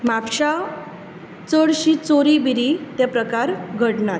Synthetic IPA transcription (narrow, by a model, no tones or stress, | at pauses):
mapɕa | t͡səɽɕit͡soɾibiɾit̪japɾəkaɾɡʱəɽɳat̪